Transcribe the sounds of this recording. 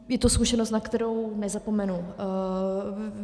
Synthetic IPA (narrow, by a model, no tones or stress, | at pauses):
jɛt̪oskuʃɛnost̪nakt̪ɛɾownɛzapomɛnu